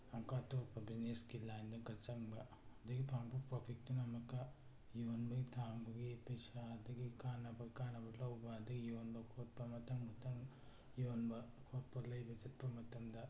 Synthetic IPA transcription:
ɐŋkat̪oːpɐbineskilajnd̪ɐɡɐt͡ʃɐŋbɐ | ɐd̪ɐɡipʰaːŋpɐpɾopʰik̚t̪inɐmɐkːɐ | joːnbɐɡit̪ʰaːmbɐɡipɐjsad̪ɐɡikaːnɐbɐɡikaːnɐbɐlɐwbɐd̪ɐɡijoːnbɐkʰoʈ̚pɐmɐt̪ɐŋmɐt̪ɐŋ | joːnbɐ | kʰoːt̚pɐɾlɐjbɐd͡ʒɐt̚pɐmɐt̪ːɐmd̪ɐ

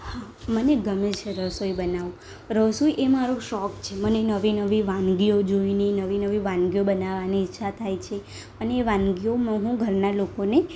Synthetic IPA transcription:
ha | məneɡəmilt͡ʃʰeɾəsoibənaʋũ | ɾəsoiʔemaɾoʃɔkt͡ʃʰemənenəʋinəʋiʋãnɡiod͡ʒoinəinəʋinəʋiʋãnɡijobənaʋaniːtːʃʰat̪ʰajt͡ʃʰe | əneːʋãnɡiomãɦũɡʱəɾnalokone

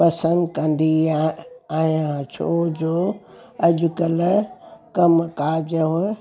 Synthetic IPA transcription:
pɐsə̃nd̪kɐ̃nd̪i | aːjãt͡ɕʰoːd͡ʑoː | ɐʄʊkəl | kɐmkaːd͡ʑəɦʊ

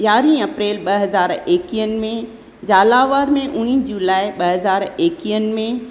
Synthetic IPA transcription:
jaːɾĩɐpɾeːlɓɐɦɐzaːɾeːkiən̆mẽ | d͡ʑaːlaːʋəɾmẽʔʊñiːd͡ʑulaːɪɓɐɦɐzaːɾeːkijən̆mẽ

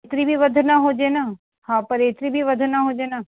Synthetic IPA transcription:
t̪ɾibʱiʋəd̪ʱnaɦoːd͡ʒeːnaː | hãːpɐɾeːt̪ɾibʱiʋəd̪ʱnaɦoːd͡ʒeːnaː

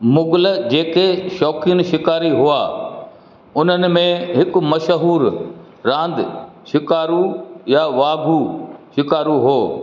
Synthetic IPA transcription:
mʊɡʊləd͡ʑeːkeʃɔːkɪnʃɪkaːɾiɦuaː | ʊn̤ənɪ̆mẽɦɪkʊ̆mɐʃəɦuːɾ | ɾãːn̆d̪ | ʃɪkaːɾujaʋaːɡʱuʃɪkaːɾuɦoː

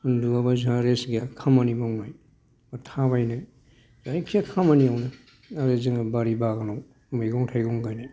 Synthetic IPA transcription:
hɯnduabazaɾesɡakʰamanimawnaj | atʰabajnaj | zajkʰiakʰamaniawnɯ | aɾezɯŋbaɾibaɡanaw | majɡɔŋtʰajɡɔŋɡajnaj

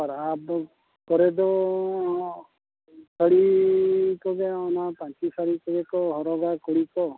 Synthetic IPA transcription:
aɾap | kɔɾɛd̪ɔ | sʰəɽi | kɔɡaɔnapãt͡ʃisaɽikɔɡekɔɦɔɾɔɡakɔɽikɔ

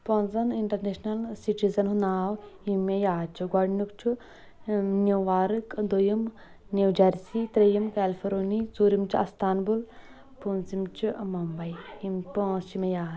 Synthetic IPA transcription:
pɔ̃nzɐniɳʈɐɾneʃnɐlsiʈizɐnɦunaːwimejaːt͡ʃʰuɡɐɽnukt͡ʃʰu | nʲuʋaːɾɨkd̪ojim | niwd͡ʒɐɾʲsit̪ɾejimkɛːlfʰoɾoːnit͡suːɾimt͡ʃʰiɐst̪aːnbul | punzimt͡ʃʰumɐmbɐjimpoʃimʲejaː

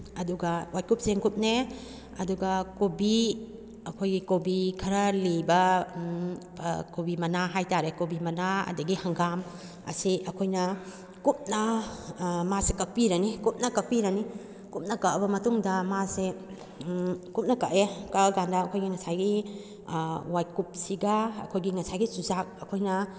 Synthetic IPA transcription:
ɐduɡawaj̚kup̚seŋkup̚ne | ɐduɡɐkobi | ɐkʰojɡikobikʰɐɾɐlibɐ | kobimɐnaɦajtaɾekobimɐnaɐ̰dɐɡihɐŋɡam | ɐ̰siɐkʰojnɐ | kup̚nɐ | masekɐk̚piɾɐnikup̚nɐkɐk̚piɾɐni | kup̚nɐkɐʔɐbɐmɐtuŋdɐmase | kup̚nɐkaʔekɐɐɡandɐːkʰojɡiŋɐsajɡi | wajkup̚siɡɐɐ̰kʰojɡiŋɐsajɡisuzak̚ɐkʰojnɐ

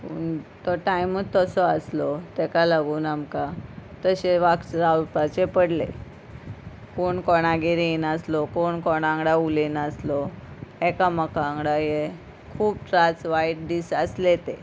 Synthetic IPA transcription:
puɳt̪ɔʈajmət̪ːɔsɔəslɔt̪ɛkalaɡuːnamkat̪əɕeʋakt͡ɕɾaɾpat͡ɕepəɽlḛ | koɳkɔɽ̃aɡeɾinəslɔkoɳkɔɽ̃ãŋɡɽaulinəslɔɛkaməkaːŋɡɽaje | kʰuːpʈɾat͡sʋaiʈ̚ɖisəslet̪e

